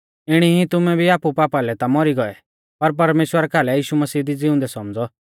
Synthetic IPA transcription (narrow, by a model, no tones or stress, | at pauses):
ɪɽ̃iɦĩt̪ʊmɛbʱiaːpupaːpalɛt̪amɔɾiɡɔɛ | pɐɾp̬ɐɾmeːʃwəɾakʰaːlɛjiːʃumɐsiːd̪id͡zɪʊ̃nd̪ɛsɔmd͡zɔ